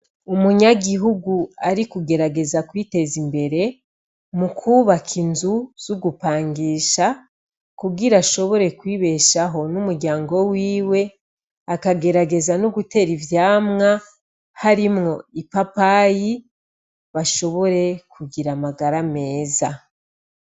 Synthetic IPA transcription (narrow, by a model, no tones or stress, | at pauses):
umuɲaɡiɦuɡuaɾikuɡe̞ɾaɡe̞zakwiːte̞zimbe̞ɾe̞ | mukʰuβakʰinzuz̥uɡupaːŋɡiːʃa | kuɡiɾaʃo̞βo̞ɾe̞kwiːβe̞ʃaɦo̞numuɾɟaːŋɡo̞wiːwe̞ | akaɡe̞ɾaɡe̞zanuɡute̞ɾivjaːmŋa | haɾimŋo̞̰ipapaji | βaʃo̞βo̞ɾe̞kʰuɡiɾamaɡaɾame̞ːza